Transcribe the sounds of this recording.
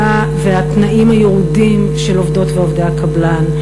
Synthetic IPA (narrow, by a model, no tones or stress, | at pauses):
a | veatnaʔimhajeʁudim | ʃelovdo̞tveovdaakablan